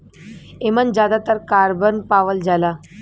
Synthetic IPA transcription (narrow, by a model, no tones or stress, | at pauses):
emənd͡ʑjad̪at̪əɾkaɾbənpaʋəld͡zala